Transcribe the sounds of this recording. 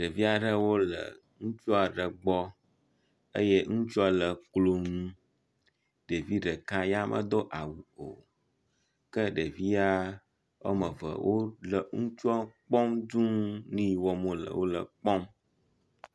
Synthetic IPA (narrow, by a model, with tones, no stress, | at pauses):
ɖə˨vi˦a˨ɖə˦wo˦lə̰˨ | ŋũ˦t͡ʃu˦a˨ɖə˨ɡ͡bɔ˦ | ə̰˦jɛ˦ŋũ˦t͡ʃu˦a˨lə˨klo˨ŋũ˦ | ɖe˨vi˦ɖə˨ka˦ja˦mʔə̰˦d̪o˦ʔa˨wu˨o˨ | kə˦ɖə˨vi˦a˦ | wo̰˦mə̃˨və̰˨wʔo˦lə˨ŋũ˦t͡ʃu˦a˦k͡pɔ˦md̪ũ˦nĩ˦˨wɔ˨mõ˦lə̰˨wo˦lə̰˨k͡pɔ˦m